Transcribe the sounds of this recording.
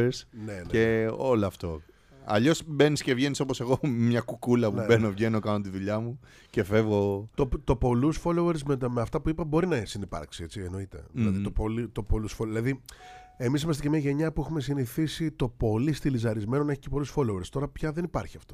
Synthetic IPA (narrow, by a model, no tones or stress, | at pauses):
eɾsnene̞o̞loɐft̪o̞̰ | ɐ̰ʎo̞sbe̞nisce̞vʝe̞niso̞pose̞ɣo̞mɲɐkukulɐpunebe̞no̞vʝe̞no̞kɐnot̪iðuʎɐmu | ce̞fe̞vɣo̞t̪ot̪o̞po̞lusfo̞loeɾsmet̪ɐmeɐft̪ɐpuipɐbo̞ɾinɐsinipɐ̰ɾksie̞t͡sieno̞it̪e̞̰ðlɐðit̪opolit̪o̞po̞lusfoðilɐði | e̞misimɐst̪cemɲɐʝe̞ɲɐpuexume̞siniθisit̪o̞po̞list̪ilizɐɾizme̞nonɐeçicepolusfo̞loeɾst̪o̞ɾɐpçɐðe̞nipɐɾçiɐft̪o